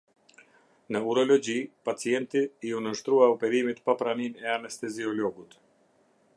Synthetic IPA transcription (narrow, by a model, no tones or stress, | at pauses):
nəuɾɔlɔd͡ʑipat͡siɛnt̪iiunəʃt̪ɾuaɔpɛɾimit̪papɾaninɛanɛst̪ɛziɔlɔɡut̪